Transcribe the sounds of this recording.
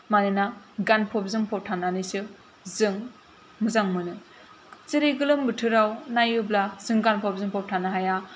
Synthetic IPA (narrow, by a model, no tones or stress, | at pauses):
manɯnaɡanpʰɔp̚zɯŋpʰɔp̚tʰananɯjsɯ | zɯŋ | mɯzaŋmɯnɯ | t͡ʃiɾiɡɯlɯmbɯtʰɯɾawnajublaz̥ɯŋɡanpʰɔp̚zɯŋpʰɔp̚tʰanaɦaja